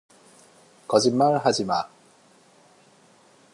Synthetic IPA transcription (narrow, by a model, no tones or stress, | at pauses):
kʌd͡ʑimːaɭɦad͡ʑima